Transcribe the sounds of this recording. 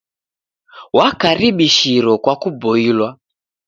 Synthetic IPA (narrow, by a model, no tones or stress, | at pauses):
wakaɾiɓiʃiɾɔkwakubɔilwa